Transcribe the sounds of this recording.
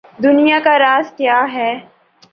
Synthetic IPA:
d̪ʊnijakaɾaːskjaːɦɛː

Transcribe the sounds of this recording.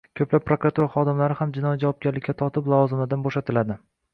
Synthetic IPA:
kʲʰɵplap̚ːɾokɾat̪uɾaχɒd̪ɪmlaɾɪhamd͡ʒɪnɒjid͡ʒavɒb̚ɡʲaɾlɪkʲːat̪ʰɒt̪ʰɪplˠɒvɒzɪmlɪd̪anboʃat̪ʰɪlad̪ɪ

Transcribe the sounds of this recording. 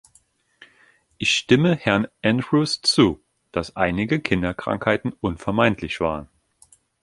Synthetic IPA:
ʔɪçʃtɪməhɛɐnʔɛndʁust͡suː | d̥asʔaɪnɪɡəkʰɪndɐkʁ̥a̰ŋkhaɪtn̩ʔʊnfɛɐmaɪntʰlɪçv̥a̰ːʁ̞ən

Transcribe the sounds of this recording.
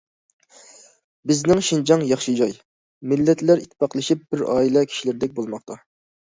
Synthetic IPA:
bɪznɪŋʃind͡ʒɑŋjɑχʃɨd͡ʒɑj | mɪlːɛt̪læɾit̪ʰːɪ̥pɑqlˠɨʃip̚b̥ɪɾɑːilˠɛkʲʰi̥ʃilɪɾɪd̪ɛk̚ʲbolˠmɑχt̪ʰɑ

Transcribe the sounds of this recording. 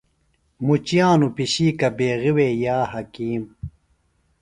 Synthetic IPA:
mut͡ɕijaːnupiɕiːkɐbeːɣiweːjaːhɐkiːm

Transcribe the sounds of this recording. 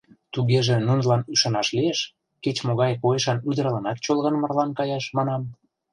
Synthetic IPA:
t̪uɣeʒĕnunlɑnyʃɑnɑʃlieʃ | ket͡ɕmoɣɑjkoeʃɑnyd̪əɾlɤ̆nɑt̪̚t͡ɕolɣə̆nmə̆rlɑnkɑjɑʃmɑnɑm

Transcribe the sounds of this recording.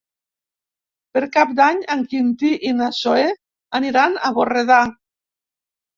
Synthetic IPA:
peɾkap̚d̪aɲaŋkint̪iʔinasoe | aniɾanaβoreð̞a

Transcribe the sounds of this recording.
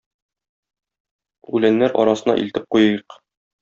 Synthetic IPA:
ʉlænːæɾʔɒ̰ɾɑsɤ̆nɑ̰ʔḭlt̪ɘp̚qujɤjɤq

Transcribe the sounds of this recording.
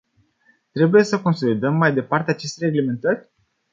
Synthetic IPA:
t̪ɾe̞buje̞səko̞nso̞lid̪əmːajd̪e̞part̪eat͡ʃe̞st̪ere̞ɡleme̞nt̪ərʲ

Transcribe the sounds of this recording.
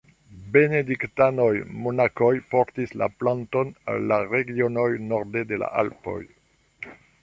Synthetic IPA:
be̞nediktano̞jmonakojpoɾtisla̰plantona̰lːaɾeɡionojnoɾdede̞la̰ʔa̰lpo̰j

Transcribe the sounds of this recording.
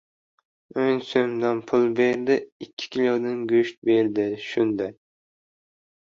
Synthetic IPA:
ønsømd̪ɑnpʰʊlˠbeɾd̪ɪikʲʰːi̥kʲʰilʲod̪ɪnɡʲyʃt̪̚beɾd̪ɪʃund̪ɛ

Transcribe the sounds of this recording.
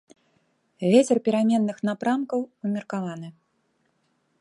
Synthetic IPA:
vʲet͡sʲɛrpʲiɾamʲɛnːɨxn̪apɾamkɐwvɨmʲirkavanɨ

